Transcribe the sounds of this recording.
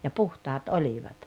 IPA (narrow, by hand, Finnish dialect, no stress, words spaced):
jɑ puhtɑːt oliʋɑt